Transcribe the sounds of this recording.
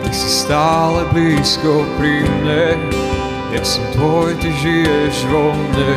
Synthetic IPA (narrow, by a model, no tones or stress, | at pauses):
jaksist̪aːlɛbliːskɔpɾimɲɛ | jaksɛmt̪vɔjt̪ɪʒijɛʒɾɔmɲɛ